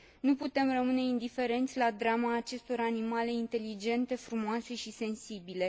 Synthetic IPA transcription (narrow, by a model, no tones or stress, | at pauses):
nuput̪e̞mrəmɨne̞ind̪ife̞ɾe̞nt̪sʲlad̪ɾamaːt͡ʃe̞st̪o̞ɾanimale̞int̪e̞lid͡ʒe̞nt̪e̞fɾumoase̞ʃise̞nsibile̞